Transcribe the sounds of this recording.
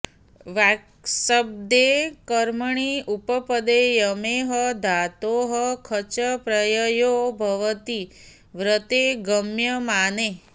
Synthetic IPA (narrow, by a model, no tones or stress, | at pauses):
ʋak | səb̚d̪ekəɾməɳiupəpəd̪ejəmeɦəd̪ʱat̪oɦəkʰət͡ʃəpɾəjəjobʱəʋət̪i | ʋɾət̪eɡəmjəmane